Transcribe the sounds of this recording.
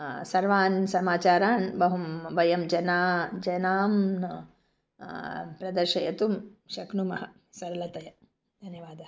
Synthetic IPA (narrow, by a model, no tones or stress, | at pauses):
sɐɾʋaːnsɐmaːt͡ʃaːɾaːnbɐɦumbɐjɐmd͡ʒɐnaːd͡ʒɐnaːmn | pɾɐd̪ɐɾʃɐjɐt̪umʃɐknumɐɦɐ | sɐɾɐlɐt̪ɐjɐ | d̪ʱɐnjɐʋaːd̪ɐɐ